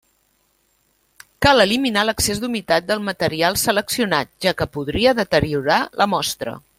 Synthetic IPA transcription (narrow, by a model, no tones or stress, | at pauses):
kaləliminaləksezd̪umit̪at̪̚d̪əlˠmət̪əɾialˠsələksiunat̪̚ʒ̥akəpuð̞ɾiəðət̪əɾiuɾalʔəmɔst̪ɾə̰